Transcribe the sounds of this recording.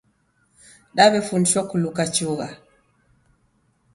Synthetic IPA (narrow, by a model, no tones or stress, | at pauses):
ɗaβɛfuniʃɔkulukat͡ʃuɣa